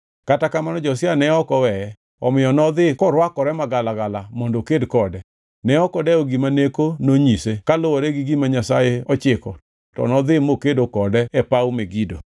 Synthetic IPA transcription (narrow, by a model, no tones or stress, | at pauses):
katakamanɔd͡ʒɔsɪanɛɔkɔwɛɛ | ɔmɪjɔnɔd̪ɪkɔɾwakɔɾɛmaɡalaɡalamɔndokedkɔdɛ | nɛɔkɔdɛɔɡimanekonoɲisekalowɔɾɛɡiɡimaɲasajeɔt͡ʃɪkɔ | tɔ̰nɔd̪ɪmokedokɔdɛɛpaumeɡido